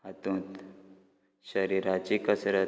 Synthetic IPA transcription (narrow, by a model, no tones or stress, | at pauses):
at̪ũt̪ | ɕəɾiɾat͡ʃikəsɾə